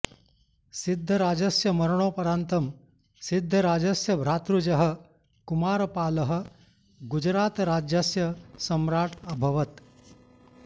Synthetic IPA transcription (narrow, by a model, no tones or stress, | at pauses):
sid̪ʱːɐɾaːd͡ʒɐsjɐmɐɾɐɳ̃oːpɐɾaːnt̪ɐm | sid̪ʱːɐɾaːd͡ʒɐsjɐbʱɾaːt̪ɾud͡ʒɐɦɐ̆ | kumaːɾɐpaːlɐɦɐ̆ | ɡud͡ʒɾaːt̪ɾaːd͡ʒjɐsjɐsɐmɾaːʈɐbʱɐʋɐt̪